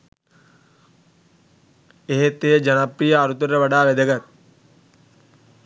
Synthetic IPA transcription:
eɦet̪ed͡ʒənapɾijəːɾut̪əɾeʋaɖaːʋed̪əɡat̪̚

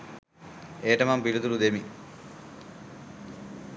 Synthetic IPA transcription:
eːʈəmampilut̪ulud̪emi

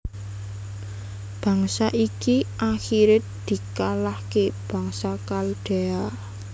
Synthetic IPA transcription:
b̥ä̤ŋsaʔikiʔaxiɾed̪̥i̤kalahkeb̥ä̤ŋsakalɖ̪̥e̤a

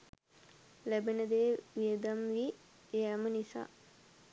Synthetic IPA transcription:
læbenəd̪eːʋiəd̪amʋi | eamənisa̰ː

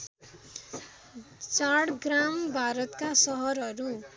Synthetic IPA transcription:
t͡saɽɡrambʱaɾʌt̪kasʌɦʌɾʌɾu

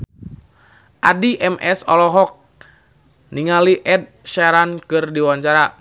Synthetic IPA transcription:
ʔadiʔɛmʔɛsɔ̰lɔɦɔk̚ | niŋaliʔɛd̚ʃɛɾankɨrdiwaɲt͡ʃaɾa

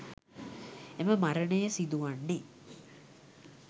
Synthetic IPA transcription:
eməmaɾənəjəsid̪uʋanːe

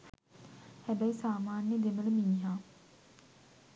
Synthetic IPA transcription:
hɛbɛisaːmaːnjəd̪emələmiːɦaː

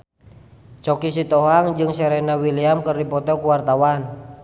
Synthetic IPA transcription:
t͡ʃɔkis̬it̪ɔɦaŋd͡ʒɨŋsɛɾɛnawiliamkɨrdipɔt̪ɔkuwart̪awan

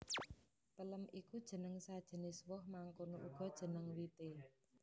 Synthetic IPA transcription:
pələmʔikud̥ʒ̥ə̤nəŋsad̥ʒ̥ə̤nɪswʊhmaŋkonoʔuɡ̥ɔ̤d̥ʒ̥ə̤nəŋwit̪e

